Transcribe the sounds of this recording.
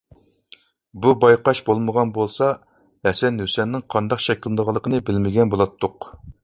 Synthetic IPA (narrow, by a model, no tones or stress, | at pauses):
bubɑjqɑʃbolˠməʁɑnbolˠsɑ | hɛsɛnhøsɛnːɪŋqʰɑnd̪ɑqʃɛkʲlˠɨd̪əʁɑlˠːəqʰənɨbɪlmɪɡʲɛnbolˠɑt̪ʰːʊq